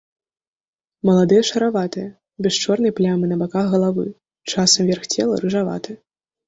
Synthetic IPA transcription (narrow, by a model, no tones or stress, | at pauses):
mɐlˠad̪ɨjɐʂɐɾavat̪ɨjɐ | bʲɛʂt͡ʂɔrnɐjplʲamɨnɐbakaɣɣɐlˠavɨ | t͡ʂasɐmvʲɛrxt͡sʲɛlˠɐ̰ɾɨʐava̰t̪ɨɐ